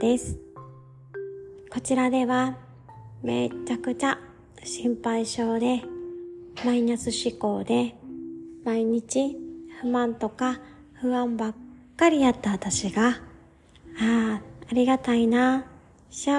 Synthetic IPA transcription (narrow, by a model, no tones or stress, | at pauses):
d̪e̞sɨ̥ | ko̞t͡ɕiɾad̪e̞βa | me̞ːt͡ɕakɯ̟t͡ɕa | ɕĩmpaiɕo̞ːd̪e̞ | mainasɨɕiko̞ːd̪e̞ | maiɲ̟it͡ɕiɸɯ̟mãnt̪o̞ka | ɸɯ̟βãmbakkːaɾʲiat̪ːaβat̪aɕiɡa | aːaɾʲiɡat̪aina | ɕa